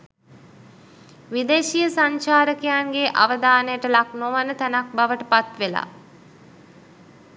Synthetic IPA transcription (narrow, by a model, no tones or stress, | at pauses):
ʋid̪eːʃijəsaɲt͡ʃaːɾəkejanɡeʔa̰ʋəd̪aːnəjəʈəlaknoʋanət̪ænak̚baʋəʈəpat̪ʋela̰ː